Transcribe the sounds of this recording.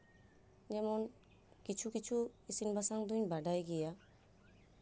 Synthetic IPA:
d͡ʒɛmɔn | kit͡ʃʰukit͡ʃʰuisinbasaŋd̪uɲbaɖajɡɛja

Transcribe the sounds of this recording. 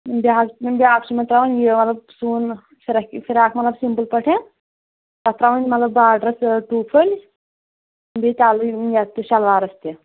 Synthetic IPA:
bʲakbʲaːkt͡ʃimɐt̪ɾaʋɐnʲjemɐt̪lɐb̚suːn | fʰiɾɐkifʰiɾaːkʰmɐt̪lɐbsimpəlpɐʈʰẽ | t̪ɐt̪ɾaʋɐnʲmɐt̪lɐbaːɖɾɐsʈuːpʰəlʲ | bet̪ʲaːlujat̪ːuʃɐlʋaːɾɐst̪i

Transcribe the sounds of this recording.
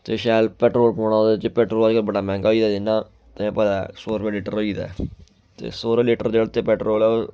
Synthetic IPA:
t̪eːʃɛːlpɛːʈɾoːlpoːɳ̃aːoːd̪t͡ʃpɛːʈɾoːləd͡ʒkəlbəɽaːmɛ̃ːŋɡaːoiːd̪aːd̪ɪnːaː | t̪eɛ̃ːpəd̪asoːɾʋeːliːʈə̰ɾoːiːd̪a̰ː | t̪ḛːsoːɾeːliːʈəɾd͡ʒeːɽt̪eːpɛːʈɾoːlɛo

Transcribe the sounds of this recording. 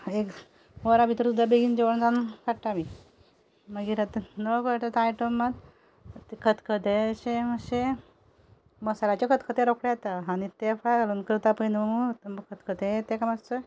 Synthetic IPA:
ek | ʋɔɾabʱit̪ɾət̪ud̪abeɡiːnd͡ʑeʋəɳd͡zankaɽʈami | məɡiːɾat̪ənəkəʈ̪ət̪ajʈomːad̪ | t̪kʰət̪kʰəd̪eɕeməɕe | məsalat͡ɕekʰət̪kʰət̪ẽɾokɽejat̪aanit̪efajɡalunkɾut̪apəinmut̪mkʰət̪kʰət̪ẽt̪ekamast͡s̪ə

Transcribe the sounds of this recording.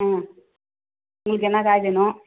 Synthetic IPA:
ãː | ʊŋɡɐɭɯk̬ːɛnːakaːjtenʊ̃

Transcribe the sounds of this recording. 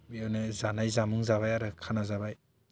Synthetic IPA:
biawnɯzanajzamɯŋzaβajaɾɯkʰanazaβaj

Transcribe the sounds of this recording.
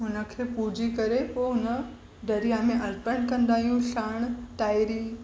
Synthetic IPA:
ɦʊnə̆kʰeːpud͡ʑʱikɐɾepoːɦʊnə | ɖɐɾijamẽʔɐɾpəɽ̃kɐ̃nd̪aːɦijũɬaːɽ̃ʈaːɪɾi

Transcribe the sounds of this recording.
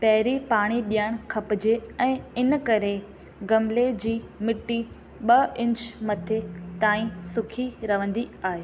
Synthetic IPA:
pɐɦɪɾipaːɽ̃iɗijaəɽ̃kʰɐpɪd͡ʑeɛ̃ːɪnkɐɾe | ɡɐmled͡ʑiː | mɪʈːi | ɓɐɪ̃ɲt͡ɕmɐt̪ʰet̪aːĩsʊkʰiɾɐʋə̃nd̪iaːɦeː

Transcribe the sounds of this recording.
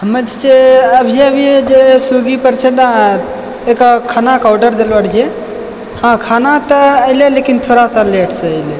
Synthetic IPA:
ɦəməd͡ʒd͡ʒeəbʱijebʱied͡ʒesuɡipəɾt͡ʃʰena | ekɔkʰanakaʊɖəɾd̪elbəɽe | hãkʰanat̪əəɪlelekint̪ʰoɾasaleʈsəəjle

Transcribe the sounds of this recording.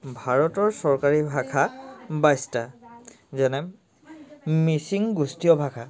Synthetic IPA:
bʱaɹɔtɔɹsɔɹkaɹibʱakʰabajsta | zɛnɛ | misiŋɡustijɔbʱakʰa

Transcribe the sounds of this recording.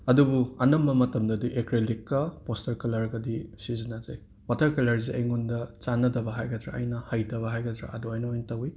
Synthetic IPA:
ɐdubuɐnɐmbɐmɐtɐmdɐdiʔekɾelikːɐpostɐɾkɐlɐɾɡɐdisizinad͡ʒɐ̰j | watʰɐɾkɐlɐɾziʔɐjŋundɐt͡ʃanːɐdɐbɐɦajɡɐdɾa̰ɐ̰jnɐhɐjtɐβɐɦajɡɐdɾa̰ʔɐdoajnɐojnɐtɐwi

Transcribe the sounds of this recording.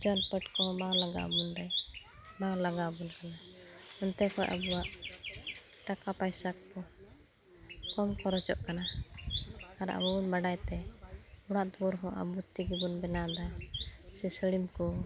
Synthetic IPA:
d͡ʒɔnpəʈkɔmalaɡa̰ʔbunɖaj | malaɡabunkana | ɔnt̪ɛkɔjʔa̰buwaʔ | ʈakapajsakkɔ | kɔmkɔɾɔt͡ʃɔ̰ʔkana | aɾa̰bunbaɖajt̪ɛuɽ̃aʔd̪ɔɾɦɔ̃ʔa̰but̪iɡibɔnbɛnad̪asɛsəlimkɔ

